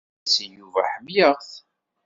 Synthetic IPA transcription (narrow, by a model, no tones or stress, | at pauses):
səjuvæħəmjəʁθ